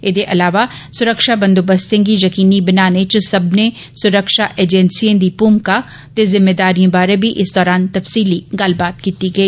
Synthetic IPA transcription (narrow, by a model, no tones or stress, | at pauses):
ɪd̪eʔɐlaːʋa | sʊɾəkʃabɐ̃nd̪obɐst̪ẽɡijɐkiːnibɪnaːnet͡ʃosɐbnẽ | sʊɾəkʃaʔeːd͡ʒɛnsijẽd̪iːpuːmka | t̪ezɪmːeːd̪aːɾijõbaːɾebʱiʔɪsd̪ɔːɾaːnt̪ɐfsiːliɡaːlbaːt̪̚kiːt̪iɡɐiː